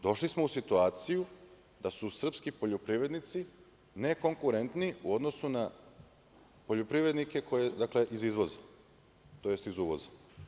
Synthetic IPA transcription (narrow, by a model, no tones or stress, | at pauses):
d̪o̞ʃlismousit̪uaːt̪siju | d̪asusr̩pskipo̞ʎopɾiʋɾe̞d̪nit̪si | ne̞ko̞ŋkuɾe̞nt̪niuo̞d̪no̞suna | po̞ʎo̞pɾiʋɾed̪nike̞kʰo̞jed̪akle̞ʔizizʋo̞za | t̪o̞je̞st̪izuʋo̞za